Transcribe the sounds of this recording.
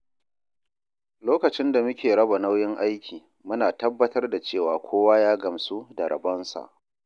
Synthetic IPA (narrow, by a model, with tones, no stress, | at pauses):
loː˦kɐ˨t͡ʃɪ˦nda˨mʊ˦kʲeː˨ɽɐ˦ba˨na˦wjɪ˦ŋʔa˦jkʲiː˨ | mʊ˦naː˨tɐ˦bːɐ˦tɐ˦rda˨t͡ʃeː˦˨waː˨kʷʰoː˦waː˦jaː˦ɡɐ˨msu˦dɐ˨ɾɐ̰˨bɐ˦nsa̰˨ʔ